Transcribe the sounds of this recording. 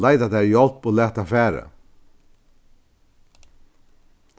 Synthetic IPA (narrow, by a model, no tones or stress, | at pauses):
laɪd̪ad̪æːɾjɔlpoːlæːt̪afæːɾə̰